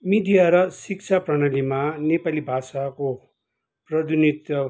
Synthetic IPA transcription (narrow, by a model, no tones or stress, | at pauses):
mid̪ijaɾʌsik̚t͡sʰaprʌñʌlimanepalibʱasako | prʌd̪ʱiunit̪jʌ